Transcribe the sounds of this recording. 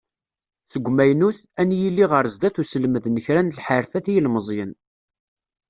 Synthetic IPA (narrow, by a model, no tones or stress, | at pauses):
θəɡʷːmæjnuθ | ænjilːiʁəɾˤzd̪æθusəlməðnəçɾænlħəɾfæθijəlməzˤjən